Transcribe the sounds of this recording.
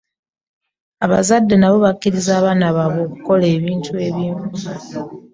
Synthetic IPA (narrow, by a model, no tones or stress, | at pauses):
aβazadːe̞naβo̞βakːiɾizaːβanaβaβoːku̥ko̞le̞ːβiːntue̞βiːɱvu